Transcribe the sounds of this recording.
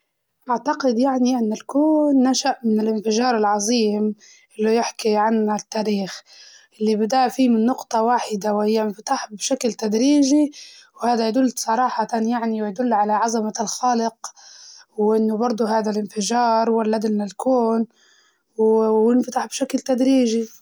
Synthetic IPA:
ʔaʕt̪aqɪd̪jaʕniʔɪnːɪlkuːnːaʃaʔmɪnɪlʔɪnfɪʒɑːɾˤɪlʕɑzˤiːm | ʔɪlːʊjɪħkiʕanat̪ːaːɾiːx | ʔɪlːibɪd̪aːʔfiːmɪnːʊqt̪ˤɑwaːħɪd̪awhɪjːaɪnfat̪aħbʃaklt̪ad̪ɾiːʒiwhaːd̪ajad̪ʊlːsˤɑɾˤɑːħɑt̪anjaʕniwjad̪ʊlːʕalaʕazamalxaːlɪq | wʔɪnːʊbɑɾˤd̪ˤuɦaːd̪alʔɪnfɪʒɑːɾˤwalːad̪ɪlnalkuːn | wjɪnfat̪aħbʃaklt̪ad̪ɾiːʒi

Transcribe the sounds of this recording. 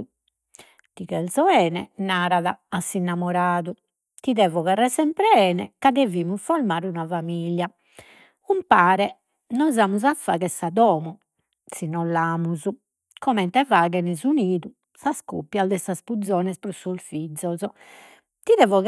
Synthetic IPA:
t̪iɣɛlzɔɛːnɛnaːɾaðaːsːinːamɔɾaːðu | t̪iðɛːvɔɣarɛsɛmpɾɛɛːnɛ̰kad̪eviːmufɔɾmaːɾunavamilja | umpaːɾɛ | nɔzaːmuzafːa̰ːɣɛsad̪ɔːmu | sinɔlːaːmuzu | kɔmɛnt̪ɛvaːɣɛnɛzuniːðu | saskṵpːjald̪ɛsaspud̪zːɔːnɛspɾɔsulfid̪zːɔzɔ | t̪iðɛːvɔɣ

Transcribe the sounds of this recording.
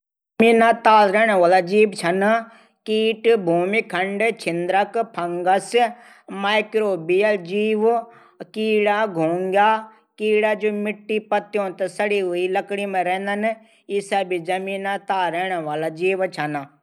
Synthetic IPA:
miːnãːt̪aːlɾɛːɽ̃ãʋaːlaːd͡ʒiːbt͡ʃʰəna | kiːʈbʱuːmiːkʰəɳɖt͡ʃʰɪnd̪ɾəkpʰəŋɡəs | maːɪkɾoːbijəld͡ʒiːʋ | kiːɽaːɡʱoːŋɡaː | kiːɽaːd͡ʒoːmɪʈːiːpət̪ːjõːt̪əsəɽiːɦʊiːləkɽiːmẽɾɛ̃ːnd̪ən | ɪsaːbid͡ʒəmiːnãːt̪aːɾɛːɽ̃aʋaːlaːd͡ʒiːʋt͡ʃʰənaː

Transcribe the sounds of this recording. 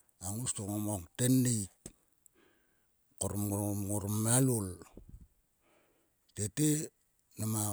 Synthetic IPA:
aŋustoŋomoŋtenːek | koɾmŋoɾmalul | tete | nama

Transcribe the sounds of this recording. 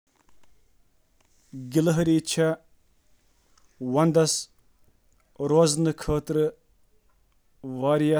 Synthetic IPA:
ɡɪlɦɐɾiːt͡ʃʰɐ | wɐnd̪ɐs | ɾoːznɨkʰəːt̪ɾɨ | ʋaːɾijɐ

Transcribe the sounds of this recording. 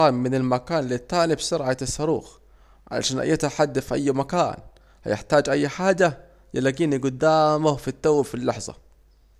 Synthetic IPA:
aːmːɪnalmakaːnlit̪ːaːnibsʊɾʕasːɑɾˤṵːx | ʕa̰la̰ʃaːnʔa̰jːat̪ħad̪ːafiʔajːmaka̰ːn | ha̰jɪ̰ħt̪aːd͡ʒʔajːħaːd͡ʒa | jalːaɡiːniɡʊd̪ːaːmʊhfit̪ːawːafilːɑħzˤɑ̰

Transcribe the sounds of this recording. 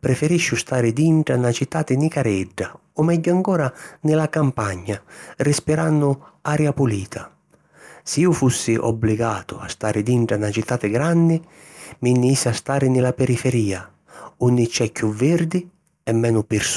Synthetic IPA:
pɾɛfɛɾiʃːʊst̪aːɾɪd̪iɳʈɽanat͡ʃit̪ːaːt̪ɪnikaɾɛɖːa | ɔmɛɟːʊaŋkɔːɾanɪlakampaɲːarispiɾanːʊaɾjapuliːt̪ʰa | siiːufusːɪʔɔ̰bːliɡaːt̪ʊa̰st̪aːɾɪd̪iɳʈɾanat͡ʃit̪ːaːt̪ɪɡɾanːɪ | minːisːast̪aːɾɪnɪlapɛɾifɛɾiːa | unːɪt͡ʃːɛkːuvːɛɾd̪ɪ | ɛmːɛːnʊpɪɾs

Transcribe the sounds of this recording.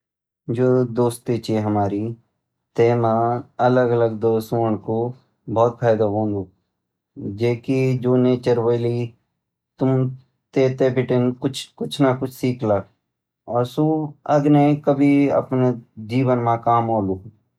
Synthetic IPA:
d͡ʒoːd̪oːst̪it͡ʃiɦəmaːɾi | t̪eːmãələɡələɡd̪oːsoːɳko | bʱɔːt̪̚pʰaːjd̪aɦõːnd̪oː | d͡ʒeːkid͡ʒoːneːt͡ʃəɾʋəliː | t̪ʊm | t̪eːt̪eːbɪʈɪnkʊt͡ʃʰkʊt͡ʃʰnakʊt͡ʃʰsiːkʰlak | ɔːɾsuɐɡnekəbʱiə̰pned͡ʒiːʋənmãkaːmoːluː

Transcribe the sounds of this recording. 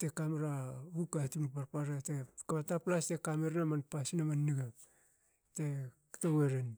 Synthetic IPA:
tekameɾaβukatinpaɾpaɾetekaβataplastekameɾnamanpasinamanːiɡa | tektoɡeɾen

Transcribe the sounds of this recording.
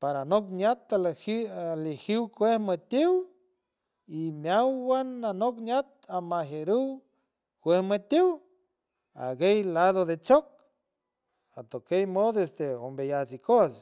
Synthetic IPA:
paɾanok̚njat̪alhalihiwkʷehmət̪ʲiw | imʲjawːananok̚njat̪̚amaɦeɾuw | kʷehmət̪iw | a̰ɡejlaðod̪et͡ʃok̚ | at̪okejmod̪esd̪eombejasikos

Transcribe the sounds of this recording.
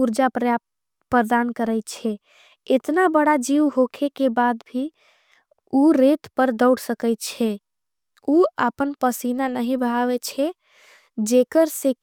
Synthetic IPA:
uɾd͡ʒapɾəjap̚ | pɾəd̪ankəɾəjt̪t͡ʃʰɛ | et̪nabəɽad͡ʒiwɦokʰekebad̪bʱi | uɾet̪pəɾd̪əʊɽsəkɛɪt̪t͡ʃʰɛ | uəpənpəsinanəɦĩbʱəaʋɛt͡ʃʰɛ | d͡ʒekəɾse

